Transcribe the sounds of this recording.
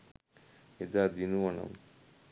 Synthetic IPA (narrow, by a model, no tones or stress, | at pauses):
id̪ad̪inuʋɐnɐ̰m